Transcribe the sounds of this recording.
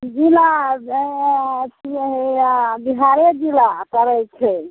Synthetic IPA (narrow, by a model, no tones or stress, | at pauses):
d͡ʒila | s | biɦaɾed͡ʒilakəɾɛjt͡ʃʰɛ